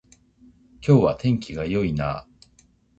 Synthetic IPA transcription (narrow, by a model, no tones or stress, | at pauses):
kʲo̞ːβat̪ʰẽ̞ŋkʲiɡajo̞ina̰ː